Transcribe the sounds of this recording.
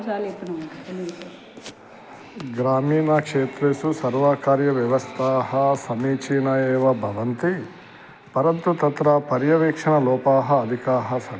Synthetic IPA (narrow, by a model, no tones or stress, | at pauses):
apːɐɽɐ | ɡɾaːmiːnakʂeːt̪ɾesusɐɾʋaːkaːɾjɐʋjɐʋɐst̪ʰaːɦɐsɐmiːt͡ʃiːnɐjɛːʋɐbʱɐʋɐnt̪i | pɐɾɐnt̪ut̪ɐt̪ɾapɐɾjɐʋiːkʂɐɳɐlɔːpaːɦɐːd̪ʱikaːɦɐsɐ